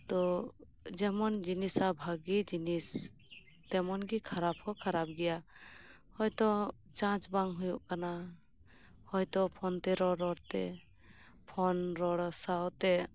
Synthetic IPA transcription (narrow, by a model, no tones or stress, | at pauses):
t̪ɔ | d͡ʒɛmɔnd͡ʒinisabʱaɡid͡ʒinis | t̪ɛmɔnɡikʰaɾap̚hɔkʰaɾap̚ɡɛja | hɔjt̪ɔ | t͡ʃãt͡ʃbaŋɦujuʔkana | hɔjt̪ɔpʰɔnt̪ɛɾɔɾɔɽt̪ɛ | pʰɔnɾɔɽɔsawt̪ɛ